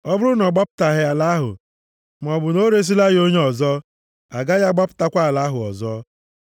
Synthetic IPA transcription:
ɔ˦bʊ˦ɾʊ˦nɔ˨ɡ͡ba˦pʊ̥˦ta˨ɦɪ˦a˨la˦ɦʊ̰˨ | m˨ɔ˨bʊ˨no˦ɾe˦s̬i˦la˦ɣo˦ɲe˦ɔ˨zɔ˦ | a̰˨ɡa˦ja˦ɡ͡ba˦pʊ̥˦ta˦kʷa˦a˨la˦ɦʊ˨ɔ̰˨zɔ˦

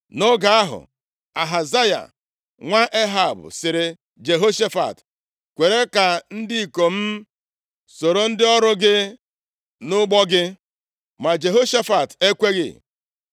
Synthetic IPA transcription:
no˦ɡa˨a˦ɦʊ̰˨ | a˨ɦa˨za˦ja̰˨ | ŋʷa˦ʔe˦ɦa˨bʊ̰˨sɪ˨ɾɪ˨ | d͡ʒe˨ɦo˦ʃe˦fa̰˨t | kʷe˨ɾe˦ka˨n̩˦dɪ˦i˨ko˨m̩˦ | so˨ɾo˨n̩˦dɪ˦ɔ˦ɾʊ˦ɡɪ˦ | nʊ˦ɡ͡bɔ˦ɡɪ˦ | ma˨d͡ʒe˨ɦo˦ʃa˦fa˨te˦kʷe˦ɣɪ̰˦˨

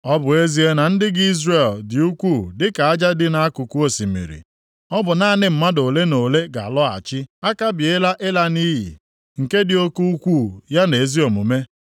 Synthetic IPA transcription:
ɔ˦bʊ˨e˦zi˦e˦na˨n̩˦dɪ˦ɡɪ˦i˦zre˨ldɪ˨u˦kʷuː˦˨dɪ˦ka˨a˦d͡ʒa˦dɪ˦na˨a˦kʊ˨ku˦o˨si˨mḭ˨ɾḭ˨ | ɔ˦bʊ˨na˦˨nɪ˦m̩˨ma˦do˨le˦no˨le˦ɡa̰˨lɔ˦a̰˨t͡ʃɪ˦a˦ka˦bje˦la˦ʔe˦la˦ni˦ɦḭ˨ | ŋ̩˨ke˦dɪ˨o˦ku˦u˦kʷu˦˨ja˦ne˨e˨zi˦o˨mṵ˨me˦

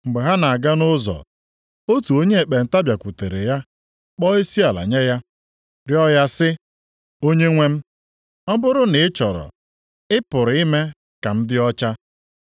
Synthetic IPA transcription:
ŋ͡m̩˨ɡ͡be˨ɦa˦na˨a˨ɡa˦nʊ˦zɔ̰˨ | o˦tu˨o˦ɲe˦e˨k͡pe˨n̩˨ta˦bja˨kʷu˨te˨ɾe˨ja˦ | k͡pɔ˦i˦si˦a˨la̰˨ɲe˦ja˦ | ɾjɔ˦ja˦sɪ˦ | o˦ɲe˦ŋʷe˦m̩˦ | ɔ˦bʊ˦ɾʊ˦nɪ˨ɪ˦t͡ʃɔ˨ɾɔ̰˨ | ɪ˦pʊ˨ɾi˦me˦ | ka˨m̩˦dɪ˦ɔ˦t͡ʃa˦

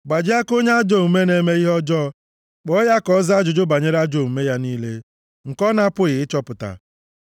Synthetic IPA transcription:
ɡ͡ba˨d͡ʒɪ˦a˦ko˦ɲe˦a˦d͡ʒo˦˨u˨me˦ne˨me˦i˦ɦɔ˦d͡ʒɔ˦ | k͡pɔ˦ja˦kɔ˦za˦d͡ʒʊ˨d͡ʒʊ˦ba˨ɲe˦ɾa˦d͡ʒo˦˨m̩˨me˦ja˦niː˦le˦ | ŋ̩˨kɔ˦na˦pʊ˦ɣɪ˨ɪ˦t͡ʃɔ˦pʊ˨ta̰˨

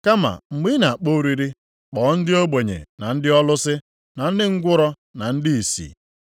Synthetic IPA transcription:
ka˦ma̰˨ŋ͡m̩˨ɡ͡bi˦na˨k͡po˦ɾi˦ɾi˦ | k͡pɔː˨˦n̩˦dɪ˦o˦ɡ͡be˨ɲḛ˨na˨n̩˦dɪ˦ɔ˦lʊ˦sɪ˦ | na˨n̩˦dɪ˦ŋ̩˦ɡʷʊ˦ɾɔ˦ | na˨n̩˦dɪ˦i˨sḭ˨

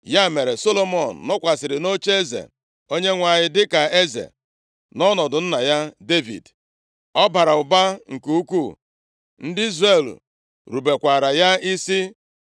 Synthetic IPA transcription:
ja˦˨me˨ɾe˨so˦lo˦mɔ˨n̩˨nɔ˦kʷa˨sɪ˨ɾɪ˨no˦t͡ʃe˦zḛ˨ | o˦ɲe˦ŋʷa˨ɲɪ˦dɪ˦ka˨e˦zḛ˨ | nɔ˦nɔ˨dʊ˨n̩˦na˨ja˦de˦vḭ˨d | ɔ˦ba˨ɾa˨ʊ˨ba˦ŋ̩˨ku˦kʷu˦˨ | n̩˦dɪ˦i˦zre˦˨l̰ | ɾu˨be˨kʷa˨ɾa˨ja˦i˦si˦

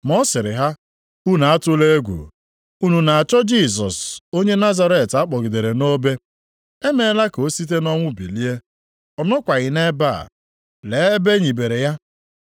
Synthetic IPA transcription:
mɔ˦sɪ˨ɾɪ˨ɦa˦ | u˦na˨a˦tʊ˦le˦e˦ɡʷṵ˨ | u˦nu˨na˨a˨t͡ʃɔ˦d͡ʒi˦˨s̬ɔ˨so˦ɲe˦na˦za˦ɾe˨ta˦k͡pɔ˨ɡɪ˨de˨ɾe˨no˦be˦ | e˦me˨˦la˦ko˨˦si˦t̬e˦nɔ˦ŋʷʊ˦bi˨li˦e˦ | ɔ˨nɔ˦kʷa˨ɣɪ˨ne˦ba̰˦˨ | le˨˦e˦be˦ɲi˨be˨ɾe˨ja˦

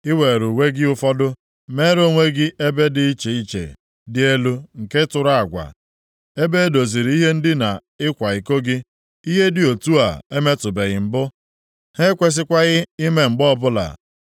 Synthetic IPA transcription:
ɪ˦we˨ɾu˨wʷe˦ɡɪ˦ʊ˦fɔ˦dʊ˦ | me˦ɾo˦˨ŋʷe˦ɡɪ˦ʔe˦be˦dɪ˦i˦t͡ʃe˨i˦t͡ʃḛ˨ | dɪ˦e˦lu˦ŋ̩˨ke˦tʊ˨ɾa˦a˨ɡʷa̰˨ | e˦be˦e˦do˨zi˨ɾi˦ɦe˦n̩˦dɪ˦na˨ | ɪ˦kʷa˨ɪ˨ko˦ɡɪ˦ | i˦ɦe˦dɪ˨o˨tu˦a̰˨e˦me˦tʊ˨be˨ɣɪ˨m̩˨bʊ˦ | he˦kʷe˦s̬ɪ˦kʷa˦ɣɪ˦i˦me˦ŋ͡m̩˨ɡ͡bɔ˦˨bʊ˦la̰˨

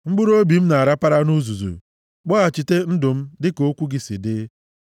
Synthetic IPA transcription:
ŋ͡m̩˦ɡ͡bʊ˦ɾo˦bi˨m̩˦na˨a˨ɾa˦pa˦ɾa˦nu˦zu˨zṵ˨ | k͡pɔ˦a˨t͡ʃi˨te˦n̩˦dʊ˨m̩˦dɪ˦ko˦kʷu˦ɡɪ˨si˨dɪ˦

